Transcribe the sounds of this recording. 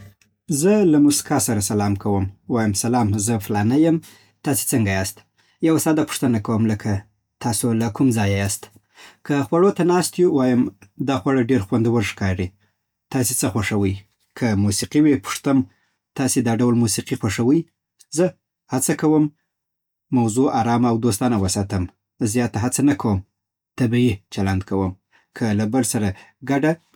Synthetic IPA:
zəlamusi̥kɑsaɾasalɑmkʰawəmwɑjəmsalɑmzəflɑnajəm | t̪ɑse̥t͡səŋɡajɑst̪ | jawasɑd̪apʊ̥ʂt̪ənakawəmləkʰa | t̪ʰɑsolakumzɑjajɑst̪ | kʰaxwaɽot̪anɑst̪juwɑjəmd̪ɑxwaɽaɖeɾxwand̪iwəɾʂkɑɾi | t̪ɑs̬et͡səxwaʂawəj | kʰamusiqiwepʊ̥ʂt̪əm | t̪ɑsed̪ɑɖawlmusiqixwaʂawəj | zə | hat͡sakawəmː | awzuʔaɾɑmaawd̪ost̪ɑnawəsɑt̪əm | zjɑt̪aɦat͡sanakʰawəm | t̪abiit͡ʃaland̪kʰawəm | kʰəlabəlsaɾaɡaɖa

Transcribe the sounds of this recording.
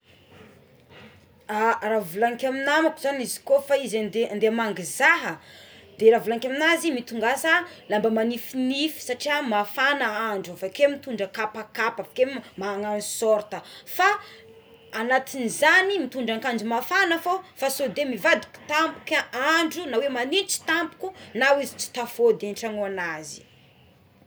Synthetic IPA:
aravulaŋikʲaminamapzanizi̥kofaizand̪eand̪emaŋɡizaɦəd̪eɾavulaŋikʲaminazimit̪uŋɡasalambəmanifinifi̥saʈ͡ʂiamafanaaɳɖ͡ʐuavakemit̪uɳɖ͡ʐəkapakapavakemaːŋanzu̥soɾt̪əfaː | nat̪inizanimit̪uɳɖ͡ʐaŋkaɳd͡ʒumafanəfofasod̪emivad̪i̥kʲi̥t̪ampu̥kaaɳɖ͡ʐunawemanit͡si̥t̪ampu̥kunawizi̥t͡si̥t̪afod̪eɳʈ͡ʂaŋuanazi̥

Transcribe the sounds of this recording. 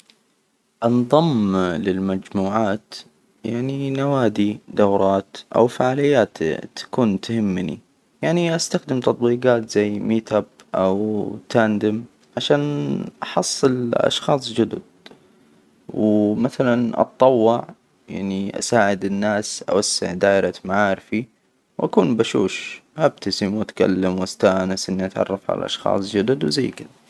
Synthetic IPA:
ʔɑnðˤɑmlɪlmad͡ʒmuːʕaːt̪ | jaʕninawaːd̪id̪awɾˤɑːt̪ʔa̰wfaʕaːlɪjːaːt̪t̪ʰḁkuːnt̪hɪmːnḭ | jaʕniʔast̪axd̪ɪmt̪ɑt̪ˤwiːɡɑːt̪z̥ajːmiːt̪ab̚ | ʔawt̪ʰaːnd̪ɪm | ʕaʃaːnʔɑħɑsˤːɨlʔɑ̰ʃxɑːsˤd͡ʒʊd̪ʊd̪̚ | wmaθalanʔɑ̰t̪ˤːɑwːɪʕ | ja̰ʕniʔa̰saːʕɪd̪ɪnːaːsʔa̰wasːɪ̰ʕd̪aːʔɪɾɑmaʕaːɾɪfi | wʔakuːnbaʃṵːʃʔab̚t̪asimwʔat̪ka̰lːamwʔast̪aːʔnasʔɪnːiʔat̪ʕɑ̰rˤːɑfʕa̰la̰lʔɑ̰ʃxɑ̰ːsˤd͡ʒʊd̪ʊd̪wzajːkɪða

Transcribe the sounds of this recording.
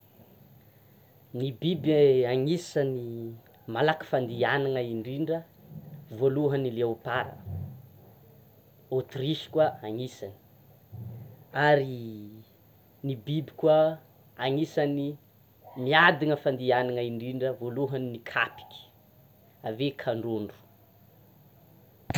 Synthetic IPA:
nibibaŋisəni | malakə̥fand̪ianaŋəiɳɖ͡ʐiɳɖ͡ʐə | voluɦənileupaɾə̰ | ot̪riʃi̥kwaaŋisani̥ | aɾi | nibibi̥kwa | aŋisani | miad̪iŋəfand̪ianaŋəiɳɖ͡ʐiɳɖ͡ʐəvoluɦəninikʰapi̥kʲi̥ | avekʰaɳɖ͡ʐoɳɖ͡ʐu̥

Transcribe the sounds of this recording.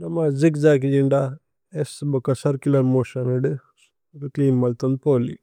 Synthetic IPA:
nɐmazikzaːk̬id͡ʒiɳɖa | esbɐkɐsɐɾkilɐɾmoːʃɐniɖ | ɾikliːnmɐlt̪un̚poːlḭ

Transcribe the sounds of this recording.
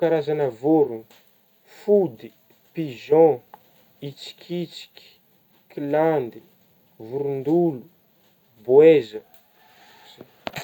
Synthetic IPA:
kaɾazanəvuɾuni̥ | fud̪i | piʒɔ̃ | it͡si̥kʲʰit͡si̥kʲi̥ | kiland̪i | vuɾund̪ulu | bwezə | ze

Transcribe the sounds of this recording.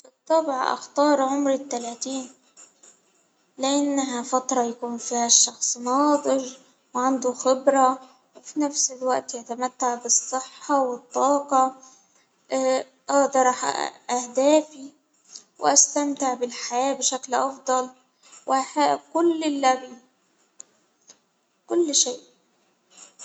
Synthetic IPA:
bɨt̪ˤːɑbʕɑ̰ʔɑ̰xt̪ɑːɾˤʕʊmɾɪt̪ːalaːt̪iːn | lɪʔanːaɦafat̪ɾˤɑjakuːnfiːhaʃːɑxsˤnɑːd̪ˤɨʒ | wʕand̪uxɪbɾɑ | wfinafsɪlwaʔt̪jat̪amat̪ːaʕbɨsˤːɨħːɑwɪt̪ˤːɑːqɑ | ʔɑːd̪ɑɾˤɑħʔahd̪aːfi | wʔast̪amt̪ɪʕbɪlħajaːbʃaklʔɑfd̪ˤɑl | wʔɪhakʊlːɪlːabiː | kʊlːʃeːʔ

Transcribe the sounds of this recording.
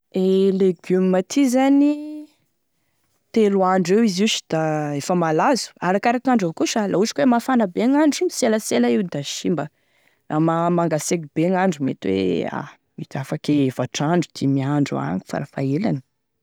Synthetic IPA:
eleɡummat̪ʰizani | t̪eluaɳɖ͡ʐewiziʃi̥d̪̥aefəmalazu̥aɾakaɾakaɳɖ͡ʐakuʃəlʔaut͡ʃi̥kwemafanabeŋaɳɖ͡ʐiɲiseləselaiwd̪aʃimbə | rʔamamaŋɡasekibeŋaɳɖ͡ʐumḛt̪wḛa̰ | mit̪afakeevaʈ͡ʂaɳɖ͡ʐud̪̥imiaɳɖ͡ʐua̰ŋi̥fa̰ɾafaelanə̥

